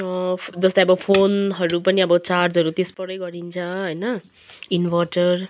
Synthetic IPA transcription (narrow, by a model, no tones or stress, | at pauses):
d͡zʌsd̪aʌbʌpʰonɦʌɾupʌniʌbʌt͡sard͡zʌɾut̪espʌɽʌjɡʌɾint͡sʰʌ̃ɦʌjnʌ | inwʌʈʌr